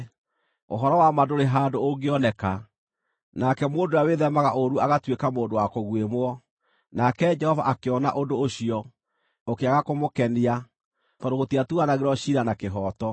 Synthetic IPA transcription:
o̰ɦɔɾɔwamadoɾeɦaːndooŋɡeɔnɛka | nakɛmoːndojaweðɛmaɣaʔoɾuaɣatwekamoːndowakoɣwemwɔ | nakɛd͡ʒɛhɔva̰ʔakeɔna̰ʔondoːɕiɔ | okeaɣakomokɛnia | tɔndoɣotiatuanaɣeɾɔɕiɾanakeɦɔːtɔ

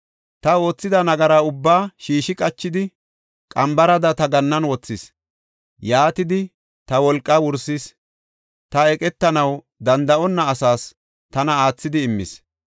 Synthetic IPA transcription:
t̪ɐo̞ːt͡sːɪd̪ɐnɐɡɐɾaʊbːaːʃiːʃɪkʼɐt͡ʃːɪd̪ɪ | kʼɐmbɐɾɐd̪ɐt̪ɐɡɐnːɐnwɔt͡sːɪs | jaːt̪ɪd̪ɪ | t̪ɐwɔlkʼːɐwʊɾsɪs | t̪ɐɛkʼɛt̪ːɐnɐw | d̪ɐnd̪ɐɔnːɐːsaːs | t̪ɐnɐaːt͡sːɪd̪ɪːmːɪ̰s

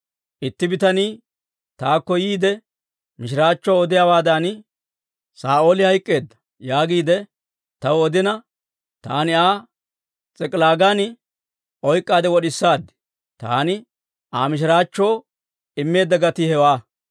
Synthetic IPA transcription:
ʔɪt̪ːɪbɪt̪ɐniː | t̪aːkːɔjiːd̪ɛ | mɪʃ̬ɪɾaːt͡ʃːoːɔd̪ɪjawaːd̪an | saːoːlɪhɐjkʼːe̞ːd̪ːɐ̥ | jaːɡiːd̪ɛ | t̪ɐwɔd̪ɪnɐ | t̪aːnɪaː | t͡sʼɛkʼlaːɡan | ʔɔjkʼːaːd̪ɛwɔɗɪsːaːd̪ɪ̥ | t̪a̰ːnɪ | ʔaːmɪʃ̬ɪɾaːt͡ʃːoː | ɪmːe̞ːd̪ːɐɡɐt̪ihɛwaː

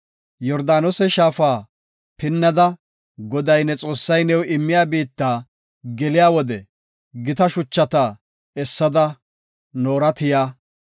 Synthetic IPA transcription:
jɔɾd̪aːnɔsɛʃaːfaː | pɪnːɐd̪ɐ | ɡɔd̪ɐjnɛt͡sʼo̞ːsːɐjnɛwɪmːɪjaːbiːt̪ːaː | ɡɛlɪjaːwɔd̪ɛ | ɡɪt̪ɐʃʊt͡ʃːɐt̪ɐ | ɛsːɐd̪ɐ | noːɾɐt̪ɪjaː

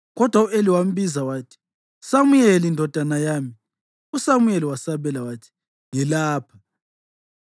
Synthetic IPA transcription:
ɣɔd̥ʱwaueliwam̩bizawaːtʰi̥ | samujɛlindʱɔd̥ʱanajaːmi | usamujɛliwasaβɛlawaːtʰi̥ | ŋɛlaːpʰa

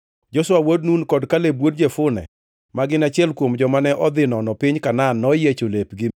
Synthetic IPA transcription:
d͡ʒɔswawodnunkɔdkalebwod̚d͡ʒefʊnɛ̰ | maɡɪnat͡ʃɪɛlkwomd͡ʒɔmanɛʔɔd̪ɪnɔnɔpɪɲkananːɔjet͡ʃolepɡɪ

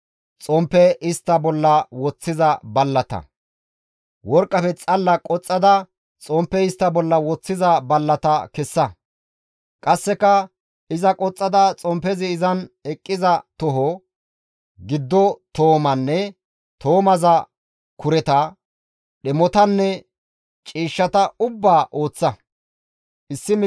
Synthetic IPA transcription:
t͡sʼɔmpːɛɪst̪ːɐbɔlːɐwɔt͡sːɪzɐbɐlːɐt̪ɐ̰ | wɔɾkʼːɐfɛt͡sʼɐlːɐkʼɔt͡sʼːɐd̪ɐ | t͡sʼɔmpːɛɪst̪ːɐbɔlːɐwɔt͡sːɪzɐbɐlːɐt̪ɐkɛsːɐ | kʼɐsːɛkːɐ | ɪzɐkʼɔt͡sʼːɐd̪ɐt͡sʼɔmpɛzɪːzɐnɛkʼːɪzɐt̪ɔɦɔ | ɡɪd̪ːɔt̪o̞ːmɐnːɛ | t̪o̞ːmɐzɐ | kʊɾɛt̪ɐ | ɗɛmɔt̪ɐnːɛ | t͡ʃʼiːʃːɐt̪ɐʊbːaːʔo̞ːt͡sːɐ | ʔɪsːɪm

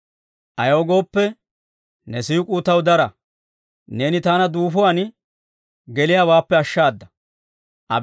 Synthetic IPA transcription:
ʔɐjoːɡo̞ːpːɛ | nɛsiːkʼuːt̪ɐwd̪ɐɾɐ | ne̞ːnɪt̪aːnɐd̪uːfʊwɐn | ɡɛlɪjaːwaːpːɛɐʃːaːd̪ːɐ̥ | ʔɐ̰

